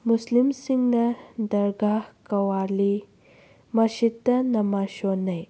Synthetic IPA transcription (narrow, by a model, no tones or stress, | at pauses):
muslimsiŋɡnɐd̪ɐɾɡahkɐwaːli | mɐʃit̪ːɐnɐmaʃonɐj